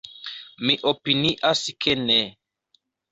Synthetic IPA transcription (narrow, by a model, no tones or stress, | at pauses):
miʔopiniʔaskʰene